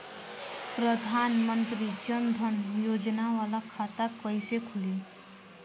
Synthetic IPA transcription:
pɾəd̪ʱanmənt̪ɾit͡ʃənd̪ʱənjod͡ʒnaʋalakʰat̪akəɪsekʰuli

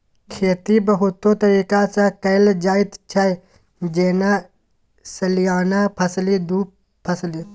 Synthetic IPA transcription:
kʰeːt̪ibɐɦʊt̪ːot̪ɐɾiːkasãkɐɪld͡ʒaːɪt̪t͡ʃʰaj | d͡ʒeːna | sɐlijaːnapʰɐslid̪uːp | pʰːɐsli

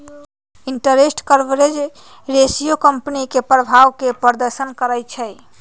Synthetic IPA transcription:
iɳʈəɾesʈkəɾbɾed͡ʒ | ɾesijokəmpnikepɾəbʱaʋkepəɾd̪əɾsənkəɾəjt͡ʃʰɛj

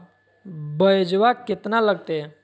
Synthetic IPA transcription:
bəjd͡ʒʋaket̪naləɡ̚t̪e

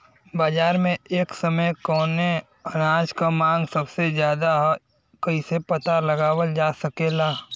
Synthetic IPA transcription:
baːd͡ʒaːɾmẽeːksəməjkɔːne | ɐnaːd͡ʒkamãːŋɡsəbsezjaːd̪aɦ | kɐisepɐt̪alɐɡaːwəld͡ʒaːsɐkeːlaː

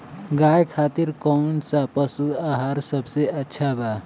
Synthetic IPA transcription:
ɡajkʰaːt̪iɾkɔʊnsapəsuaɦaːɾsəbseətːʃʰaba

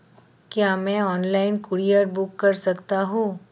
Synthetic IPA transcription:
kjaːmɛ̃ɔːnlaːɪnkʊɽiəɾbʊkːɐɾsɐkt̪aɦũː

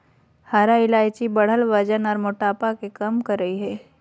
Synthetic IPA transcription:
haːɾaɪlaːɪt͡ʃibɐɽ̤əlʋəd͡ʒənɔːɾmʊʈaːpakekɐmkɐɾːɐɦiɦɛː

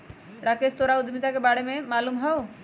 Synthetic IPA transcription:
ɽakest̪oɾaud̪mit̪akebaɽememalumɦɔw

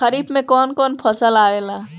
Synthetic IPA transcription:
əɾibmẽkɔnkɔnpʰəsəlaela

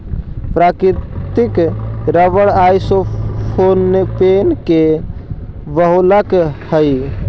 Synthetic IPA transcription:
pɾakɾit̪ikɾəʋəɽajsopʰonːepenke | ʋəɦoləkhəj

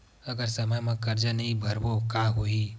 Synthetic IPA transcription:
əɡəɾsəməjmẽkəɾd͡ʒanɐɦĩbʱɐɾbokaɦoi

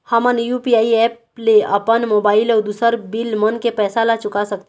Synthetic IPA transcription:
hamənjupiaːiɛːp̚leəpənmoːbaːɪlɔːɾd̪usəɾbɪlmənkepɛːsalat͡ʃʊkasəkt̪e

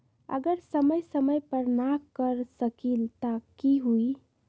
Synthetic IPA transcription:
ə̰ɡəɾsəməjsəməjpəɾnakəɾsəkilt̪akiɦui

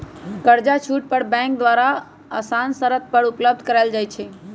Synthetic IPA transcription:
kəɾd͡ʒat͡ʃʰuʈ̚pəɾbɛ̃ŋk̚d̪ʋaɾa | əsansəɾət̪̚pəɾupləb̚d̪̚ʱkəɾald͡ʒajt͡ʃʰɛ

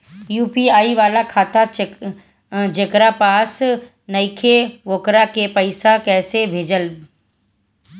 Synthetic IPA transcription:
juːpiaːiʋaːlakʰaːt̪a | d͡ʒekɾapaːs | nɐikʰeʋoːkɾakepəɪsakɛːsebʱeːd͡ʒəl

